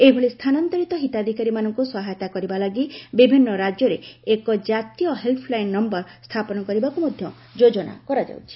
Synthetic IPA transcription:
ebʱoɭist̪ʰanant̪ɔɾit̪ɔɦit̪ad̪ʱikaɾimanɔŋkusɔɦajɔt̪akɔɾibalaɡibibʱinːɔɾad͡ʒjɔɾeekɔd͡ʒat̪ijɔɦeltʰɔlajnːɔmbɔɾst̪ʰapɔnɔkɔɾibakumod̪ʱjɔ | d͡ʒod͡ʒɔna̰kɔɾad͡ʒa̰wt͡ʃʰi̥

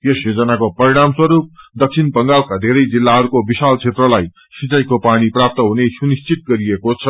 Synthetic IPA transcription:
jesjod͡zʌnakopʌɾiɽ̃amswʌɾup̚d̪ʌk̚sʰinpʌŋɡawkad̪ʱeɾʌjd͡zilːaɦʌɾukobisalt͡sʰet̪rʌlaj | sit͡sajkopaɽ̃iprap̚t̪ʌɦunesunist͡sit̪̚ɡʌɾiekot͡sʰʌ

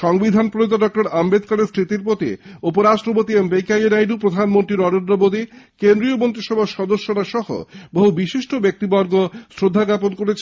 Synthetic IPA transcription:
ʃɔŋbid̪ʱanpɾoot̪aɖɔk̚ʈoɾambed̪̚kaɾest̪ɾit̪iɾpɾot̪iupoɾaʃʈɾopot̪iembejkajenajɖupɾod̪ʱanmont̪ɾiɾɔɾenɖɾobod̪ikend̪ɾiomont̪ɾiʃɔbʱaʃɔd̪oʃːoɾaʃɔɦo̰boɦubiʃiʃʈobek̚t̪ibɔɾɡosɾod̪ʱːaɡaponkoɾet͡ɕʰ

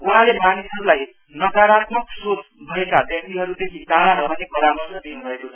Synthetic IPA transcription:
uɦãlemanisɦʌɾulaj | nʌkaɾat̪mʌksot͡sbʱʌekabjʌk̚t̪iɦʌɾud̪ekʰid̪aɽaɾʌmʌnekʌɾamʌsʌd̪inubʱʌekot͡sʰʌ

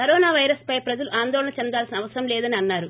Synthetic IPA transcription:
kɐɾɔːnaːʋɐjɾɐspɐjpɾɐd͡ʒɐluʔaːnd̪ɔːlɐɳɐt͡ʃɛnd̪aːlsinɐʋɐsɐɾɐmlɛːd̪ɐniɐnːaːɾu

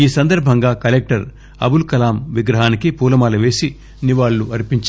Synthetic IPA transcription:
iːsɐnd̪ɐɾbʱɐŋɡaːkɐlek̚ʈɐɾ | ɐ̰bulkɐlaːmʋiɡɾɐɦaːnikipuːlɐmaːluʋe̞ːsi | niʋaːɭːuɐɾpiɲt͡ʃ

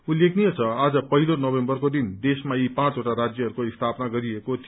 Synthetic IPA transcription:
ulekʰnijet͡sʰʌad͡zʌpʌɦilonʌbembʌrkod̪ind̪esmaipãt͡sɦoʈaɾad͡zjʌɦʌɾukoist̪ʰapnaɡʌɾiekot̪ʰ

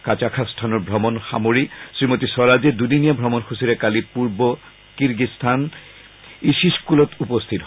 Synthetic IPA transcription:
kat͡ʃakʰastʰanɔɹbʱɹɔmɔnxa̰moɹisɹimotisɔɹazɛdudinijabʱɹɔmɔnxusiɾɛkalipuɹbɔ | kiɹɡistʰan | isiskulɔtupost̪ʰit

